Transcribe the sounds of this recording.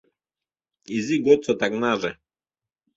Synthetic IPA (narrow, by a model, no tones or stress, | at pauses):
iziɡɔt͡sɔt̪aknaʐɛ